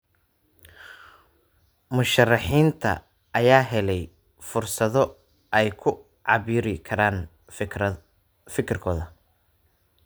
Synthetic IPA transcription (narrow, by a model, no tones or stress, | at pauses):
mʊʃɐrːɑħiːnt̪ʰɐ̰ | ʔɐjaːɦɛlɛj | fʊrsɐðɔ | ɛjkʰʊ | ʕɑβiːɾɪkʰɐɾaːn | fɪkʰɪrkʰɔːðɐ